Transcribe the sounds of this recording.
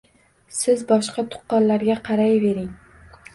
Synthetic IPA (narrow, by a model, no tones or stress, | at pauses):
sɪzbɒʃqɑt̪ʰʊ̥qːɒnlaɾɡʲaqʰɑɾajve̞ɾɪŋ